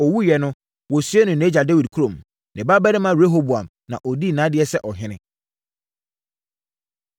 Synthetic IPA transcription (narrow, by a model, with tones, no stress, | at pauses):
ɔ˨wu˦jɛ˨nʊ̃˦ | wɔ˨sɥɛ˦nʊ̃˨nẽ˦d͡ʑa˨de˦wi˨d̚kʰu˦ɾõ˨m | nɪ̃˨ba˦bɛ˦nɪ̃˦mã˦˨e˦ɦo˦bu˨a˨m | nã̰˨ʔɔ˨di˦˨nã˨˦dɪ˦ɛ˦sɛ˦ʔɔ˨ɦɪ̃˦nɪ̃˦